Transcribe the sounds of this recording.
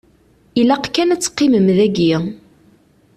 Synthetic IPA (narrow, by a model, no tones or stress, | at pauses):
ilæqkːænæt͡sːqːiməmðæɡi